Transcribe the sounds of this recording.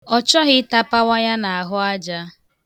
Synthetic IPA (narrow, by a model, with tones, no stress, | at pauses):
ɔ˦t͡ʃɔ˦ɣɪ˦ta˦pa˦wa˦ja˦na˨a˨ɦʊ˦a˦d͡ʒa˦